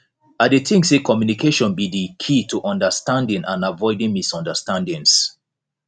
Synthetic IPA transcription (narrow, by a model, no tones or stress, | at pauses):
adetĩŋsekʰɔmjunikʰeʃɔ̃nbidikʰitʰuʔɔ̃ndəstãndɪ̃ŋʔãnavɔɪdĩŋmisɔ̃ndəstãndɪ̃ŋs